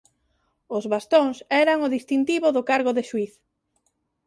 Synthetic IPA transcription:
ʊzβast̪õŋsɛɾaŋʊðist̪int̪iβʊðʊkaɾɣʊðɪʃuiθ

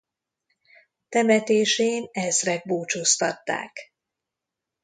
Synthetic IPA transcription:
t̪ɛmɛt̪eːʃeːnɛzrɛɡ̚boːt͡ʃoːst̪ɒt̪ːa̰ːk

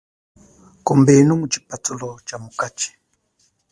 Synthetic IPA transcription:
kɔmbɛnumut͡ʃi̥patʰulɔt͡ʃamukat͡ʃi̥

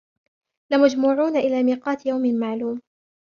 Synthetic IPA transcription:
lɪmad͡ʒmʊːʕuːnaʔɪlaːmiːqɑːt̪jawmɪnmaʕluːm

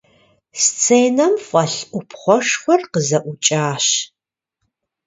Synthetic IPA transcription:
st͡sʰeːnɐmfʷʼɐɬʔʷʊpʰχʷɔʂχʷɔrqəzɐʔʷʊt͡ʃʼaːɕ

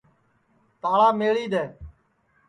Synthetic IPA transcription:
t̪aːɭaːmeːɭiːd̪eː

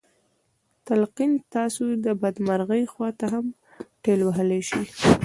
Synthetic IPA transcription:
t̪alqint̪ɑsod̪əbad̪maɾɣəjxwɑt̪aɦam | ʈelwaɦəleʃi

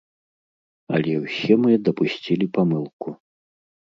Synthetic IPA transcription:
ɐ̰lʲɛwsʲɛmɨd̪ɐpusʲt͡sʲilʲipamɨlˠku

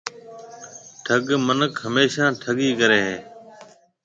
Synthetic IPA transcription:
ʈʰəɠmənəkɦəmeːʃãːʈʰəɠiːkəɾeːɦeː

